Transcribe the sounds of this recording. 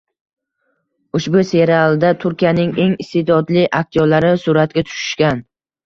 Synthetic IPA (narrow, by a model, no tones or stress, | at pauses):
ʊʃbʊse̞ɾaalˠd̪at̪ʰʊɾkʲijanɪŋe̞ŋɪst̪ed̪ɒd̪lɪʔak̚ʲt̪ʰijɒlaɾɪsʊɾat̪ɡʲat̪ʰʊ̥ʃɪ̥ʃkʲan